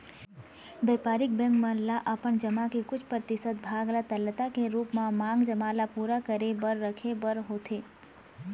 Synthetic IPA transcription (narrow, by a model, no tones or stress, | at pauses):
beːpaːɾɪk̚bɛ̃ŋkmãːnlaʔɐpəɳd͡ʒəmakekʊt͡ʃʰpɾət̪ɪsət̪̚bʱaːɡlat̪əlːət̪akeɾuːpmãmãːŋɡd͡ʒəmaːlapuːɾakəɾebəɾːəkʰebəɾɦoːt̪ʰeː